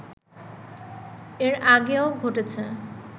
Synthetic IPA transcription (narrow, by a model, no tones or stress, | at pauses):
eɾaɡeoɡʱoʈet͡ɕʰe